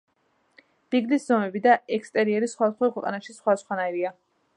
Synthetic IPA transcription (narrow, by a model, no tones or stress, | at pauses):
b̥iɡliszɔmɛbid̪aɛkst̪ʼɛɾiɛɾisχwad̪asχwakʰwɛqʼa̰naʃisχwad̪asχwanaiɾia